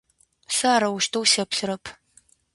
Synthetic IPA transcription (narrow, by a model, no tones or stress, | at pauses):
sɨaːɾɐwʊʃtʰɐwsɐpɬɨɾɐpʰ